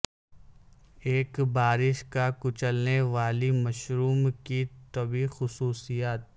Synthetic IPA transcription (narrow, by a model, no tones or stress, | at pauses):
eːkbaːɾɪʃkakʊt͡ʃəlneʋaːlimɐʃɾuːmkit̪ɐbixʊsuːsijaːt̪̚